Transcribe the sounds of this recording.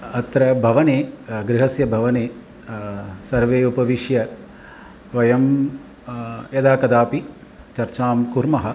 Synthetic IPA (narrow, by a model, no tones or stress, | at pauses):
ɐt̪ɾɐbʱɐʋɐneːɡɾɪɦɐsjɐbʱɐʋɐneː | sɐɾʋeːupɐʋiʃjɐ | ʋɐjɐm | jɐd̪aːkɐd̪aːpi | t͡ʃɐɾt͡ʃaːmkuɾmɐɦɐ̆